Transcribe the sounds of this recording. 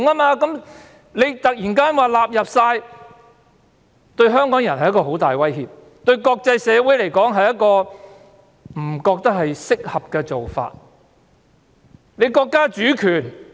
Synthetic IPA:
ŋaː˥maː˧kɐ˨˥m | le˨˧jt̪ɐ˨k̚jiː˨˩nkaː˥nwaː˨laː˨p̚jɐ˨p̚saː˧j | t̪ɵ˧ɥɦœː˥ŋkɔː˨˥ŋjɐ˨˩nhɐ˨jkɔː˧ɦo˨˥wt̪aː˨˩jwɐ˥jɦiː˧p̚ | t̪ɵ˧ɥkɔː˧k̚t͡sɐ˧jsɛː˨˧wu˨˥jle˨˩jkɔː˨˥ŋɦɐ˨jɐ˥t̚kɔː˧ | m̩˨˩kɔː˧k̚t̪ɐ˥k̚ɦhɐ˨jsɪ˥k̚hɐ˨p̚kɛː˧t͡so˨wfa̰ː˧t̚ | le˨˧jkɔː˧kːaː˥t͡ʃyː˨˥kʰyː˨˩n

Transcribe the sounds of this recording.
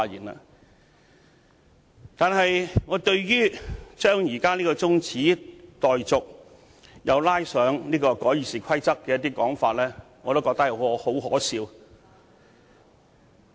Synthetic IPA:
a˧jḭː˨˩na̰˧ | t̪aː˨nɦɐ˨jŋɔː˨˧t̪ɵ˧ɥjyː˥t͡ʃœː˥ŋjiː˨˩kaː˥niː˥kɔː˧t͡sʊ˥ŋt͡sʰiː˨˥t̪ɔː˨jt͡sʊ˨k̚ | jɐ˨˧wlaː˥jsœː˨˥ŋniː˥kɔː˧kɔː˨˥jiː˨˧siː˨˩kʷʰɐ˥jt͡sɐ˥kːɛ˧jɐt̪iː˥kɔː˨˥ŋfaː˧t̚lɛː˥ŋɔː˨˧t̪o˥kɔː˧k̚t̪ɐ˥k̚jɐ˨˧˨ho˨˥wɦɔ̰ː˨˥siː˧w

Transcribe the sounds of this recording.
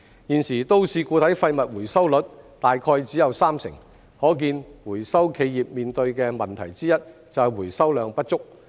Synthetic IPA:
jiː˨˩nsiː˨˩t̪o˥wsiː˨˩kuː˧t̪ʰɐ˨˥jfɐ˧jmɐ˨t̚wuː˨˩jsɐ˥wlɵ˨˥t̚t̪aː˨jkʰɔː˧jt͡siː˨˥jɐ˨wsaː˥msɪ̰˨˩ŋ | hɔː˨˥k̬iː˧nwuː˨˩jsɐ˥wkʰe˨˧jjiː˨p̚miː˨nt̪ɵ˧ɥkɛː˧mɐ˨nt̪ʰɐ˨˩jt͡siː˥jɐ˥t̚ | t͡sɐ˨wwuː˨˩jsɐ˥wlœː˨˧ŋpɐ˥t̚t͡sʊ˥k̚

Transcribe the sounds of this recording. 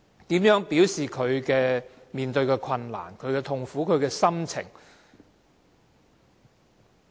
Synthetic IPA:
t̪iː˨˥mjœː˨˥ŋpi˨˥wsiː˨˩kʰɵ˨˧ɥkɛː˧ | miː˨nt̪ɵ˧ɥkɛː˧kʰɐ˧nla̰ː˨˩nkʰɵ˨˧ɥkɛː˧t̪ʰʊ˧ŋfuː˨˥kʰɵ˨˧ɥkɛː˧sɐ˥mt͡sʰɪ̰˨˩ŋ

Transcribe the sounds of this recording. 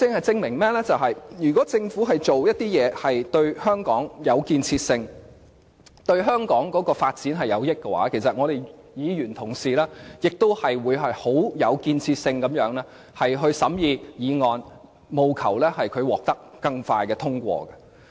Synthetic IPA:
t͡sɪ˧ŋhɐ˨jt͡sɪ˧ŋmɪ˨˩ŋmɛː˥lɛː˥t͡sɐ˨wɦɐ˨jjyː˨˩k̬ɔː˨˥t͡sɪ˧ŋfuː˨˥ɦɐ˨jt͡so˨wjɐ˥t̚t̪iː˥jɛː˨˧hɐ˨jt̪ɵ˧ɥhœː˥ŋkɔː˨˥ŋjɐ˨˧wkiː˧nt͡sʰiː˧t̚sɪ˧ŋ | t̪ɵ˧ɥɦœː˥ŋkɔː˨˥ŋkɔː˨˥kɔː˧faː˧t̚t͡siː˨˥nɦɐ˨jɐ˨˧wjɪ˥kːɛ˧wa̰ː˨˥kʰe˨˩sɐ˨t̚ŋɔ˨˧ɾe˨j | jiː˨˧ɥyː˨˩nt̪ʰʊ˨˩ŋsiː˨lɛː˥jɪ˨k̚t̪o˥whɐ˨jwuː˨˧jɦɐ˨jho˨˥wjɐ̰˨˧wkiː˧nt͡sʰiː˧t̚sɪ˧ŋkɐ˨˥mjœː˨˥ŋlɛː˥ | hɐ˨jɦɵ˧ɥsɐ˨˥mjiː˨˧jiː˨˧ŋɔː˨˧n | mo˨˧wkʰɐ̰˨˩wlɛː˥hɐ˨jkʰɵ˨˧ɥwɔː˨˩k̚t̪ɐ˥k̚kɐ˧ŋfa̰ː˧jkɛː˧t̪ʰʊ˥ŋkʷɔ̰ː˧ɡɐ˧

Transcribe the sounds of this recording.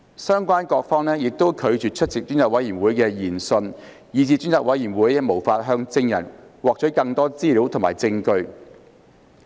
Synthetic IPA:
sœː˥ŋkwaː˥nkɔː˧k̚fɔː˥ŋnɛː˥jɪ˨k̚t̪o˥wkʰɵ˨˧ɥt͡ʃyː˨˩t͡ʃʰɵ˥t̚t͡sɪ˨k̚t͡ʃyː˥nt͡saː˨k̚wɐ˨˥jiː˨˩nwuː˨˥jkɛː˧jiː˨˩nsɵ˧n | jiː˨˧t͡siː˧t͡ʃyː˥nt͡saː˨k̚wɐ˨˥jiː˨˩nwuː˨˥jɛmo˨˩wfaː˧t̚ɦœː˧ŋt͡sɪ˧ŋjɐ̰˨˩nwɔː˨k̚t͡ʃʰɵ˨˥kɐ˧ŋt̪ɔː˥t͡siː˥liː˨˥wt̪ʰʊ˨˩ŋma̰ː˨˩jt͡sɪ˧ŋkɵ˧ɥ

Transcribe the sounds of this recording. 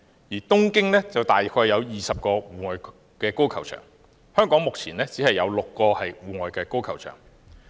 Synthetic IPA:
jiː˨˩t̪ʊ˥ŋkɪ˥ŋnɛː˥t͡sɐ˨wt̪aː˨jkʰɔː˧jːɐ˨˧wjiː˨sɐ˨p̚kɔː˧wuː˨˩ŋɔː˨j | kɛː˧ko˥wkʰɐ˨˩wt͡ʃʰœ̰ː˨˩ŋ | hœː˥ŋkɔː˨˥ŋmʊ˨k̚t͡sʰiː˨˩nɛː˥t͡siː˨˥hɐ˨jːɐ˨˧wlʊ˨kːɔː˧hɐ˨jwuː˨ŋɔː˨˩jkɛː˧ko˥wkʰɐ˨˩wt͡ʃʰœ̰ː˨˩ŋ

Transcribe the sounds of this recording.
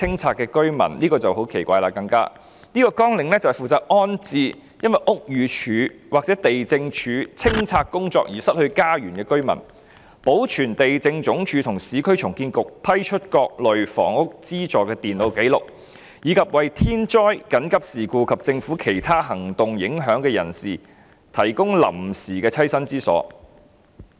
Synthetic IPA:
ɪ˥ŋt͡sʰaː˧t̚kːɛː˧kɵ˥ɥmɐ̰˨˩nliː˥kɔː˧t͡sɐ˨who˨˥wkʰe˨˩jkʷaː˧jlaː˧˩kɐ˧ŋka̰ː˥ | niː˥kɔː˧kɔː˥ŋlɪ˨˧ŋlɛː˥t͡sɐ˨hfuː˨t͡saː˧k̚ʔɔː˥nt͡siː˧ | jɐ˥nwɐ˨jʔʊ˥k̚jyː˨˧t͡ʃʰyː˨˧wʔaː˨k̚t͡sɛ˨˥t̪e˨jt͡sɪ˧ŋt͡ʃʰyː˨˧t͡sʰɪ˥ŋt͡sʰaː˧k̚kːʊ˥ŋt͡sɔ̰ː˧k̚jiː˨˩sɐ˥t̚hɵ˧ɥkaː˥jyː˨˩nkɛː˧kɵ˥ɥmɐ̰˨˩n | po˨˥wt͡ʃʰyː˨˩nt̪e˨jt͡sɪ˧ŋt͡ʃʊ˨˥ŋt͡ʃʰyː˨˧t̪ʰʊ˨˩ŋsiː˨˥kʰɵ˥ɥt͡ʃʰʊ˨˩ŋkiː˧nkʊ˨k̚pʰɐ˥jt͡ʃʰɵ˥t̚kɔː˧k̚lɵ˨ɥfɔ̰ː˨˩ŋʊ˥k̚t͡siː˥t͡ʃɔː˨kɛː˧t̪iː˨˩nlo˨˧wke˨˥jlʊ˨k̚ | jiː˨˧kʰɐ˨p̚wɐ˨jt̪ʰiː˥nt͡ʃɔː˥jkɐ˨˥nkɐ˥p̚siː˨˩kuː˧kʰɐ˨p̚t͡sɪ˧ŋfuː˨˥kʰe˨˩jt̪ʰaː˥ɦɐ˨˩ŋt̪ʊ˨ŋjɪ˨˥ŋɦœː˨˥ŋkɛː˧jɐ̰˨˩nsiː˨˩ | t̪ʰɐ˨˩jkʊ˥ŋlɐ̰˨˩msiː˨˩kɛː˧t͡sʰɐ˥jsɐ˥nt͡siː˥sɔ̰ː˨˥

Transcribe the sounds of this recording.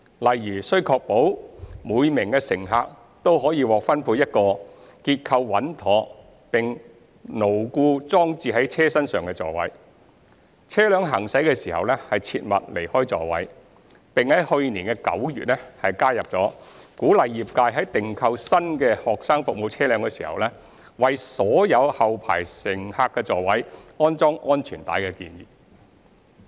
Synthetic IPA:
lɐ˨jɥyː˨˩sɵ˥ɥkʰɔː˧k̚po˨˥wmuː˨˧jmɪ˨˩ŋkɛː˧sɪ˨˩ŋɦa̰ː˨k̚ | t̪o˥wɦɔː˨˥jiː˧wɔː˨k̚fɐ˥npʰuː˧t̚jɐ˥t̚kɔː˧ | kiː˧t̚kʰɐ˧wːɐ˨˥nt̪ʰɔː˨˥ | pɪ˨ŋ | no˨˩wkuː˧t͡sɔː˥ŋt͡siː˧ɦɐ˨˥jt͡sʰɛː˥sɐ˥nsœː˨ŋkɛː˧t͡sɔ̰ː˨˩wɐ̰˨˥j | t͡sʰɛː˥lœː˨˧ŋɦɐ˨˩ŋsɐ˨˥jkɛː˧siː˨˩hɐ̰˨wlɛː˥hɐ˨jt͡sʰḭː˧t̚mɐ̰˨t̚le˨˩jhɔː˥jt͡sɔ̰ː˨wɐ̰˨˥j | pɪ˨ŋhɐ˨˥jhɵ˧ɥniː˨˩nkɛː˧kɐ̰˨˥wjy̰ː˨t̚ɛ˥hɐ˨jkaː˥jɐ˨p̚t͡sɔː˨˥kuː˨˥lɐ˨jːiː˨p̚kaː˧jɦɐ˨˥jt̪ɪ˨ŋkʰɐ˧wsɐ˥nkɛː˧hɔː˨k̚saː˥ŋfʊ˨k̚mo˨˧wt͡sʰɛː˥lœː˨˧ŋkɛː˧siː˨˩hɐ̰˨wlɛ˥ | wɐ˨jsɔː˨˥jɐ˨˧whɐ˨wpʰa̰ː˨˩jsɪ˨˩ŋhaː˧kːɛː˧t͡sɔː˨wɐ˨˥jɔː˥nt͡sɔː˥ŋʔɔː˥nt͡ʃʰyː˨˩nt̪a̰ː˨˥jkɛ˧kiː˧njḭː˨˩

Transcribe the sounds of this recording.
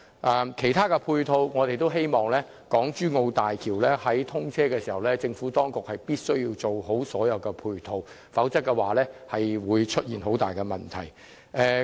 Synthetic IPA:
ʔɛ˨mkʰe˨˩jt̪ʰaː˥kɛ˧pʰuː˧jt̪ʰo˧wŋɔː˨˧t̪e˨jt̪o˥wɦe˥jmɔː˨˩ŋlɛː˥ | kɔː˨˥ŋt͡ʃyː˥ŋo˧wt̪aː˨jkʰiː˨˩wlɛː˥hɐ˨˥jt̪ʰʊ˥ŋt͡sʰɛː˥kɛː˧siː˨˩hɐ˨˩wlɛː˥t͡sɪ˧ŋfuː˨˥t̪ɔː˥ŋkʊ˨k̚hɐ˨jpiː˥t̚sɵ˥ɥji˧wt͡so˨wɦo˨˥wsɔː˨˥jɐ˨˧wkɛ˧pʰuː˧jt̪ʰo˧w | fɐ˨˥wt͡sɐ˥k̚ːɛ˧waː˨lɛː˥hɐ˨jwuː˨˧jt͡ʃʰɵ˥t̚jiː˨nɦo˨˥wt̪a̰ː˨jkɛ˧mɐ˨˩nt̪ʰɐ˨˩j | ʔɛ˨˧

